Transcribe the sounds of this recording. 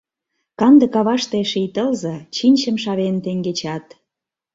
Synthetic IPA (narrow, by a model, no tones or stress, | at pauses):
kɑnd̪ə̆kɑβɑʃt̪eʃijt̪əlzɤ̆t͡ɕinʲt͡ɕə̆mʃɑβent̪eŋɡet͡ɕɑt̪